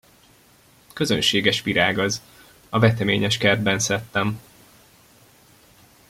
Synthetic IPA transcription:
kø̞zønʃeːɡɛʃpiɾaːɡɒz | ɒvɛt̪ɛmeːɲɛʃkɛrd̪̚bɛnsɛt̪ːɛm

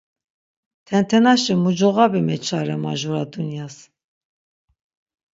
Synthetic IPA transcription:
t̪ʰɛnt̪ʰɛnaʃimud͡ʒɔɣabimɛt͡ʃʰaɾɛma̰ʒuɾad̪unjas

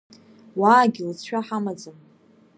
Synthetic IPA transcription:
waːɡʲɪlt͡sʰħʷᶣaħamad͡zɨm

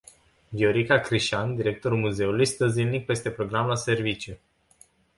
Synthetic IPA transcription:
vioɾikakɾiʃand̪iɾe̞k̚t̪o̞ɾulmuze̞ulujst̪əzinik̚pe̞st̪e̞pɾo̞ɡɾamlase̞rvit͡ʃju

